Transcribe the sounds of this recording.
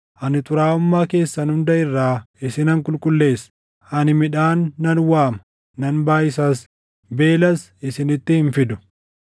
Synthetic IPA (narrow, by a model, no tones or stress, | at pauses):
ʔɐnɪt̪ʼʊɾaːʊmːaːke̞ːsːɐnhʊnd̪ɐʔɪrːaː | ɪsɪnɐŋkʼʊlkʼʊlːe̞ːs | ʔɐnɪmɪᶑaːnːɐnwaːmɐ̥ | nɐnbaːjɪs̬aːs | be̞ːlɐs | ɪsɪnɪt̪ːɪhɪnfɪd̪ʊ̥